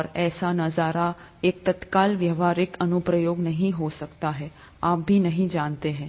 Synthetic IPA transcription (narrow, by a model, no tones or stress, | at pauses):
ɔɾɛːsanɐzaːɾa | ek̚t̪ɐt̪kaːlʋjəʋaːɾɪkənʊpɾəjoːɡnɐɦĩɦosɐkt̪aɦɛː | aːp̚bʱiːnɐɦĩd͡ʒaːnt̪eɦɛ̃ː